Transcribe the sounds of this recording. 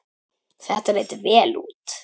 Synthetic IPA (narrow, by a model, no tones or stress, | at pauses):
θɛht̪aɾet̪vɛːlṵːt̪